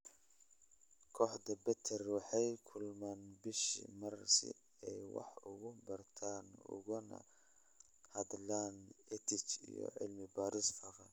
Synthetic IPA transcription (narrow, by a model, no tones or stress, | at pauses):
kʰɔːħd̪ɐbɛt̪ʰɛrwɑħɑjkʰʊlmanbɪʃḭmɐrsɪ̰ | ɛjwɑ̰ħʊɣʊbɐrt̪ʰaːnʊ̰ɣʊnɐ̰ | hɐd̪laːnɛt̪ʰɪt͡ʃḭjɔ̰ʕɪ̰lmɪbaːɾɪsfɐɾɐ